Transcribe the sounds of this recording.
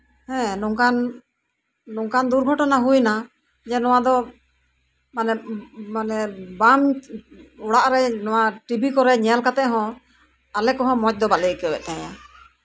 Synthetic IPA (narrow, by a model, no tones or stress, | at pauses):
hɛ̃nuŋkan | nuŋkand̪uɾɡʱɔʈɔnaɦujna | d͡ʒɛnɔwad̪ɔ | manɛmanɛbam | ɔɽaʔɾɛnɔwaʈibikɔɾɛɲɛalkat̪ɛʔɦɔ̃ | alɛkɔɦɔ̃mɔc̚d̪ɔbalɛkɛwɛ̰t̪̚naja